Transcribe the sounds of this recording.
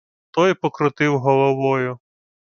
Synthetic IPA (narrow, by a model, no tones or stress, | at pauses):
t̪ɔjpɔkɾʊt̪ɪwɦɔlˠɔʋɔjʊ